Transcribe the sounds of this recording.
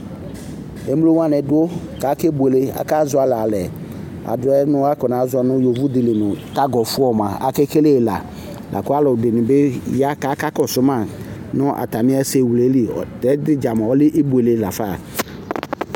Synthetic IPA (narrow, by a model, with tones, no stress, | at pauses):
e˦m˦lo˦wa˦nɛ˨dʊ˦ | ka˨˦ke˦bu˨e˨le˦a̰˨ka˦zʊ˦a˨la˨lɛ˨ | a̰˨dʊ˨ɛ˦nʊ̃˦a˦kɔ˨nã˨˦zʊ˦ɔ˨nʊ˦jo˨vu˦dɪ˨lɪ˨nʊ̃˨ta˦ɡɔ˨fʊ˦ɔ˨mã˨a̰˨ke˦ke˦le˦˨la̰˨ | lʔa̰˨kʊ˦a˦lɔ˨de˨nɪ̃˨be˦ja˦ka˨˦ka˦kɔ˨sʊ˨˦ma˨nʊ˦ʔa̰˨ta˨mɪ̃˦ɛ˦se˨wu˨le˨˦li˨ɔ˨tɛ˨˦dɪ˦d͡ʒa˨mɔ˨ɔ˦lɪ˦ʔe˦bu˨e˨le˦la˨fa˦˨